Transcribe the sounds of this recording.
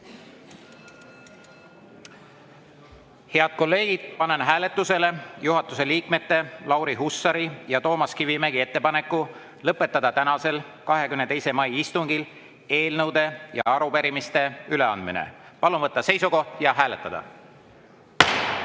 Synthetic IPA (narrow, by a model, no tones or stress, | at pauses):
he̞ɑd̪̥̚ko̞lːe̞ːɡ̥id̪̥̚pɑnenɦæːle̞t̪ːˑuse̞le̞juɦɑt̪ːˑuse̞liːkme̞t̪ːe̞lɑwɾiɦusːɑɾijɑt̪o̞ːmɑskivimæɡie̞t̪ːe̞pɑnekːˑu | lɤpːˑe̞t̪ːˑɑd̪̥ɑt̪ænɑse̞l | kɑɦe̞kymnet̪e̞jse̞mɑjist̪uŋɡ̥il | e̞ːlnɤwd̪̥e̞jɑ̰ɑɾupe̞ɾimist̪e̞yle̞ɑnd̪̚mḭnḛ | pɑlunvɤt̪ːɑse̞jsuko̞hd̪̥jɑɦæːle̞t̪ˑːɑd̪̥ɑ̰